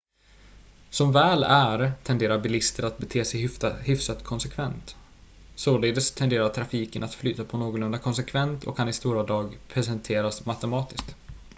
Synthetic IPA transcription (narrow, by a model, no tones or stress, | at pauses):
sɔmvɛːlæɾt̪ʰɛnd̪eːɾaɾbɪlɪst̪əɾat̪̚bɛt̪ʰeːsɛjhʏfsat̪kʰɔnsɛkʰvɛnt̪ | soːleːd̪əst̪ʰɛnd̪eːɾaʈʰɾafiːkənat̪flyːt̪apʰɔnoːɡʊlɵnd̪akʰɔnsɛkʰvɛnt̪ʰɔ̰kʰːanɪst̪uːɾad̪ɑːɡpʰɾɛsɛnt̪ʰeːɾasmat̪ɛmɑːt̪ɪsk̚t̪